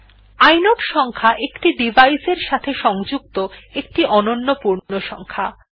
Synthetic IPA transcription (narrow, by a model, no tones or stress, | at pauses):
ajnoʈʃɔŋkʰaʔekʈiɖibajseɾʃat̪ʰeʃɔŋd͡ʑuk̚t̪oekʈiʔɔnonːopuɾnoʃɔŋkʰa